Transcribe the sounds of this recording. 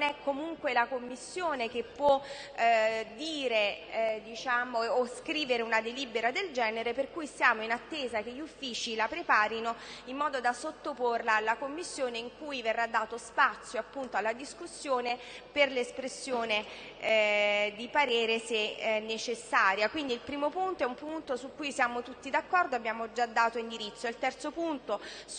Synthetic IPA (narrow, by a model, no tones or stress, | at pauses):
nɛkːomuŋkwelakomːisːjoːnekepːwɔ | d̪ːiːɾed̪it͡ʃaːmoːskɾiːveɾeunad̪eliːbeɾad̪eld͡ʒɛːneɾeperkujsjaːmoinat̪ːeːzakeʎːufːiːt͡ʃilapɾepaːɾinoimːɔːd̪od̪asot̪ːoporlalakomːisːjoːneiŋkuːjverːad̪ːaːt̪ospat̪sːjoapːunt̪oalːad̪iskusːjoːne | perlespɾesːjoːne | d̪ipaɾɛːɾesenːet͡ʃesːaːɾjakwind̪ilpɾiːmopunt̪oɛumpunt̪osukːujsjaːmot̪ut̪ːid̪akːɔrd̪oabːjaːmod͡ʒad̪ːaːt̪oind̪iɾit̪sːoilt̪ɛrt̪sopunt̪o